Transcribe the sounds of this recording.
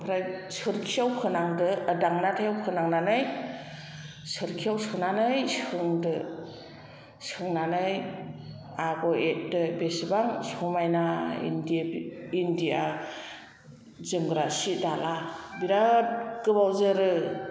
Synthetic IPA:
pʰɾajsɯɾkʰijawkʰɯnaŋdɯːdaŋnatʰajawkʰɯnaŋnanɯj | sɯɾkʰijawsʰɯnanɯjsɯŋdɯ | sɯŋnanɯj | aɡɔet̚dɯbesbaŋsumajnaḭndindia | zɯŋɡɾasidalabiɾat̚ɡɯbawzɯɾɯ

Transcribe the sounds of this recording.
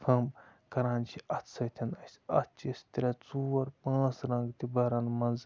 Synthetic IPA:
fʰɐmkɐɾãːnt͡ʃʰiʔɐt̪sʰɐt̪ʰɐnɐsʲɐt̪̚t͡ʃisʲt̪iɾʲɐt͡suːɐɾpãːsɾɐŋɡt̪ibɐɾanmɐnz

